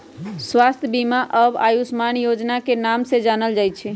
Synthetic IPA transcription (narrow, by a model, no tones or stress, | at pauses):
sʋast̪ʰjəbimaʔəba̰jusmanjod͡ʒnakenamsed͡ʒanəld͡ʒajt͡ʃʰɛ